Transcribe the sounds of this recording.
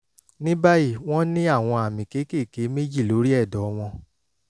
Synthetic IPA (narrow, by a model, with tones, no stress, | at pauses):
nĩ˦ba˦ji˦˨w̃ɔ̃˦nĩ˦a˦˨w̃ɔ̃˧a˨mĩ˨ke˨˦ke˦˨ke˨˦me˦d͡ʒi˦˨lo˨˦ɾi˦ɛ˦˨dɔ˨˦w̃ɔ̃˧